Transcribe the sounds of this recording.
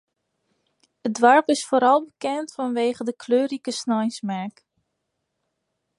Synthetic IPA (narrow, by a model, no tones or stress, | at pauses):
ədʋaɹpɪsfoːɾɑlˠbəkɛntfɑnʋeːχədəkʰløːɾikəsnɔjsmɛɹk